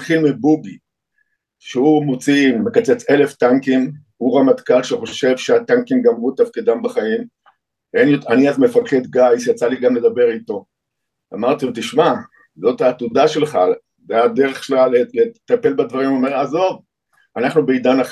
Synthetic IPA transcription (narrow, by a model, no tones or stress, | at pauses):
tχilmibuɡi | ʃeumot͡simekat͡set͡se̞le̞ft̪aŋkim | uʁamad̪kalʃeχo̞ʃe̞vʃeat̪aŋkimɡamʁut̪afkid̪ambaχaim | enjotaniazme̞falket̪ɡajsjat͡saliɡamle̞d̪abe̞ʁit̪o̞ | a̰maʁt̪it̪iʃma | zo̞t̪hat̪udaʃe̞lχa | zead̪eʁeχklalelet̪ape̞lbad̪vaʁimome̞ʁazo̞v | anaχnubeid̪anaχ